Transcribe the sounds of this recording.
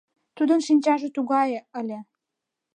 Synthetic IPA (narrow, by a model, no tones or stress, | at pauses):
t̪ud̪ənʃinʲt͡ɕɑʒĕt̪uɣɑjeə̆lʲĕ